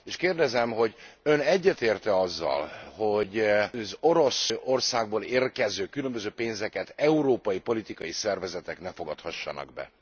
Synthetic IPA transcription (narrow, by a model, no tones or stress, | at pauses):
eːʃkeːrd̪ɛzɛmɦo̞ɟø̞nɛɟːɛt̪eːrt̪ɛɒzːɒ̰lho̞ɟzo̞ɾo̞so̞rsaːɡ̚boːleːrkɛzøːkylø̞mbø̞zøːpeːnzɛkɛt̪ɛuɾoːpɒjipo̞lit̪ikɒjisɛrvɛzɛt̪ɛknɛfo̞ɡɒt̪hɒʃːɒ̰nɒ̰ɡ̚bɛ̰